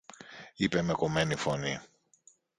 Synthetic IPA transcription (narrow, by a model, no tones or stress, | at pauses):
ipe̞me̞ko̞me̞nifo̞ni